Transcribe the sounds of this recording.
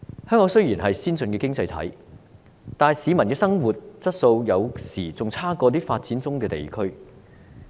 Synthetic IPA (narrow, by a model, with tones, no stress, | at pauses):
hœː˥ŋkɔː˨˥ŋsɵ˥ɥjiː˨˩nɦɐ˨jsiː˥nsɵ˧nkɛː˧kɪ˥ŋt͡sɐ˧jt̪ʰɐ̰˨˥j | t̪aː˨˩jsiː˨˧mɐ˨˩nkɛː˧sɐ˥ŋwu˨t̚t͡sɐ˥t̚so˧wjɐ˨˧wsiː˨˩t͡sʊ˨ŋt͡sʰaː˥kɔː˧t̪iː˥faː˧t̚t͡siː˨˥nt͡sʊ˥ŋkɛː˧t̪ḛ˨jkʰɵ˥ɥ